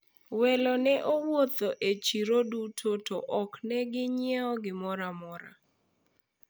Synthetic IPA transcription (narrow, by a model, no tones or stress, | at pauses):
wɛlɔnɛʔowot̪oʔet͡ʃiɾodutʰotoʔɔknɛɡɪɲɛɔɡɪmɔɾamɔɾa̰